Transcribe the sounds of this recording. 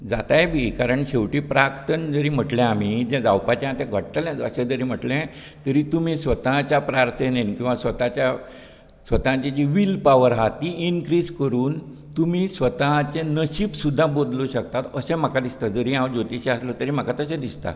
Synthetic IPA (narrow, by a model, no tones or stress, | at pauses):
d͡zat̪ajebʱikaɾəɳɕewʈiːpɾakt̪ənd͡zəɾiːm̤əʈlẽam̤iːd͡ʑɛ̃d͡zawpat͡ɕãat̪ɛ̃ɡʱəʈʈəljãd͡zəsẽd͡zəɾiːm̤əʈlẽ | t̪əɾiːt̪umiːsʋət̪ãt͡ɕjapɾaɾt̪ʰenankĩw̃ʋasʋət̪at͡ɕa | sʋət̪ãt͡ɕed͡ʑiʋilpaʋəɾɦat̪iinkɾiːd͡zkəɾuːn | t̪um̤iːsʋət̪at͡ɕẽnəɕiːpsud̪ʱːabod̪luɕək̚t̪at̪əsɛ̃m̤akad̪ist̪ad͡zəɾiãwd͡ʑot̪iɕiaslət̪əɾiːm̤akat̪əsẽd̪ist̪a̰